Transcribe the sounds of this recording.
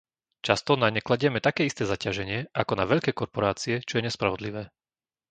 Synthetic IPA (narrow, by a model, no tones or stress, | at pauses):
t͡ʃast̪ɔnaɲɛklaɟɪɛmɛt̪akɛːist̪ɛːzacaʒɛɲɪɛʔakɔnaʋɛʎkɛːkɔɾpɔɾaːt͡siɛt͡ʃɔjɛɲɛspɾaʋɔd̪liʋɛː